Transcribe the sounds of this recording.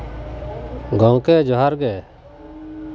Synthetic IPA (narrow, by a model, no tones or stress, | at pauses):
ɡɔŋkɛd͡ʒɔɦaɾɡɛ